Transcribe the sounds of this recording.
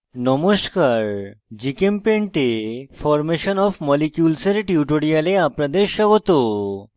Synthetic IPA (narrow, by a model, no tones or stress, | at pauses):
nɔmoskaɾd͡ʑikempeɳʈefʰɔɾmeɕɔnɔfmɔlikjulseɾʈjuʈoɽijaleapnad̪eɾɕɔɡot̪o